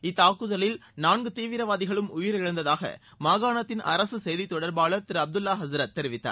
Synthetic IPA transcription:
ɪt̪ːaːkɯðɐlɪlnaːnɡɯt̪iːʋɪɾɐʋaːðɪɣɐɭɯmʊjɪɾɪɻɐnd̪ɐðaːɣɐ̰ | mɐːɣaːnɐt̪ːɪnʔɐ̰ɾɐsɯsɛjðit̪ːɔɽɐɾbaːɭɐt̪ɪɾɐb̚d̪ɯlːaːɦɐzɾɐt̪̚ːɛɾɪʋɪt̪ːa̰ː

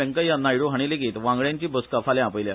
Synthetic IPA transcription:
ə̃ŋkəjanajɽuɦaɽ̃ileɡiːt̪ʋãŋɡɭjãɲt͡ɕiːbəskafaljãapəjlja

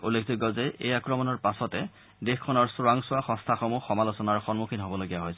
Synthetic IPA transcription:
ulːekʰziɡɔzɛejakɹɔmɔnɔɹpasɔtɛ | dexkʰːɔnɔɹsʊɹaŋsʊwaxɔ̃stʰaxomuxɔmalosɔnaɹxɔnmukʰinɦobɔloɡijaɦojsɛ̥

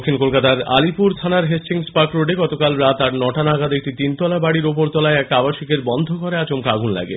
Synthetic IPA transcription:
kʰːinkolkat̪aɾa̰lipuɾt̪ʰanaɾɦest͡ɕiŋspakɾoɖeɡɔt̪okalɾat̪aɾnɔʈanaɡad̪ek̚ʈit̪int̪ɔlabaɽiɾop̬oɾt̪ɔlaeɛkabaʃikeɾbɔnd̪ʱokoɾeat͡ɕomkaɡunla̰ɡḛ

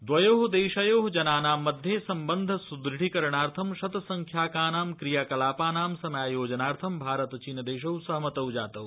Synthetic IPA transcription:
d̪ʋɐjoːɦd̪eːʃɐjoːɦd͡ʒɐnaːnaːmːɐd̪ʱjeːsɐmbɐnd̪ʱɐsud̪ɾɪɽikɐɾɐɳaːɾt̪ʰɐmʃɐt̪ɐsɐŋkʰjaːkaːnaːmkɾijaːkɐlaːpaːnaːmsɐmjaːjoːd͡ʒɐnaːɾt̪ʰɐmbʱaːɾɐt̪t͡ʃinɐd̪eːʃ̬ɐwsɐɦɐmɐt̪ɐwd͡ʒaːt̪ɐw

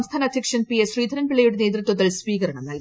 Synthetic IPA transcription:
mst̪ʰaːnɐd̪ʱjɐkʂɐnpiesriːd̪ʱɐɾɐnpiɭɐjuɽneːd̪ɾɨt̪ʋɐd̪ɐlsʋiːkɐɾɐɳɐmnɐl

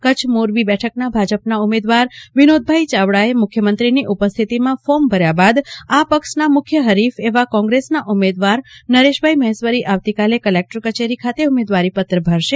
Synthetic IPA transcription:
kət͡ʃʰmoɾbibɛʈʰəknabʱad͡ʒəpnaumed̪ʋaɾʋinod̪̚bʱait͡ʃaʋɽaemʊkʰjəmənt̪ɾiniʔupəst̪ʰit̪imãfombʱəɾjabad̪apəkʃnamʊkʰjəɦəɾifeʋakɔ̃ŋɡɾesnaʔumed̪ʋaɾnəɾeʃbʱaiməɦesʋəɾiʔaʋt̪ikalekəlek̚ʈəɾkət͡ʃeɾikʰat̪eumed̪ʋaɾipət̪ɾəbʱəɾʃe

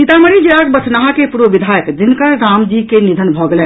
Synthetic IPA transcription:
nit̪aməɾid͡ʒeak̚bət͡ʃʰnaɦakepuɾʋəbid̪ʱajəkd͡ʒinkəɾɾamd͡ʒikenid̪ʱənbʱɔɡelɛn

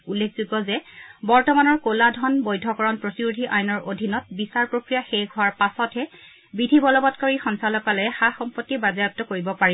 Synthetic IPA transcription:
ulːekʰzutɔzɛbɔɹtɔmanɔɹkoladʱɔnbɔjdʱɔkɔɹɔnpɹotiɹudʱiʔajnɔɹʔodʱinɔt̚bisaɹpɹokɹijaxɛjɡʱɔaɹpasɔtʰɛ | bɹidʱibɔlɔbɔtkɔɹixɔnsalɔkalɛxaxɔmpɔtːibazajɔp̚tːɔkoɹibɔpai

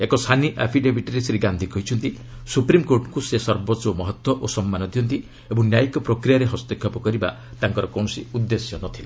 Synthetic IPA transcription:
ekɔsʰaniʔapʰiɖebʱiʈiɾesɾiɡand̪ʱikɔɦit͡ʃʰɔnt̪i | supɾimkoɾʈkusesɔɾbɔt͡ʃomɔɦɔt̪wɔʔosɔmːanɔd̪ʱijɔnt̪i | ebɔŋnjajikɔpɾokɾijaɾeɦɔst̪ekʰːɔpɔkɔɾiba̰ | t̪aŋkɔɾɔkɔw̃ɔsiud̪ːesjɔnɔt̪ʰila

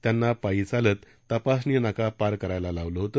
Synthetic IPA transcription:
t̪janːapaiːt͡salət̪ːəpas̬nijənakapaɾkəɾajlalaʋləɦot̪ə

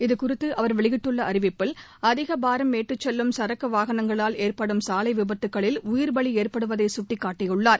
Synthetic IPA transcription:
ɪðɯkʊɾɪt̪ːɯʔɐʋɐɾʋɛɭɪɣɪʈːɯɭːɐɐɾɪʋɪpːɪl | ɐðɪɣɐbaːɾɐmːeːʈrɯt͡ʃːɛlːɯmsɐɾɐkːɐʋaːɣɐnɐŋɡɐɭaːleːɾpɐɽɯmsaːlɐɪʋɪbɐt̪ːɯkːɐɭɪlʊjɪɾbɐɭieːrpɐɽɯʋɐðɐɪsʊʈːikːaːʈːɪjɯɭːaːɾ

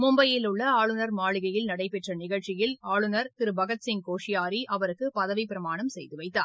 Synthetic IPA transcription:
mʊmbɐjɪlɯɭːɐaːɭɯnɐɾmaːɭɪɣɐjɪlnɐɽɐɪpːɛʈrɐnɪɣɐɻt͡ʃɪjɪlaːɭɯnɐɾt̪ɪɾɯbɐɣɐt̪sɪŋkoːʂɪjaːɾiʔɐʋɐɾɯkːɯpɐðɐʋɪpɪɾɐmaːɳɐmsɛ̰jðɯʋɐɪt̪ːaːɾ

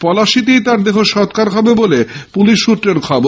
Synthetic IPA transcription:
pɔlaʃit̪̬ejt̪aɾd̪ekʰoʃɔt̪kaɾɦɔbebolepuliʃːut̪ːɾeɾkʰɔbo

